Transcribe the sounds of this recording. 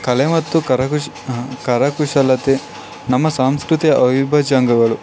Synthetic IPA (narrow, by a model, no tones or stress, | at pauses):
kɐlemɐt̪ːukɐɾɐku | kɐɾɐkuʂɐlɐt̪e | nɐmːɐsaːmskɾut̪ijɐʔɐʋibʱɐd͡ʒaːŋɡɐɡɐɭu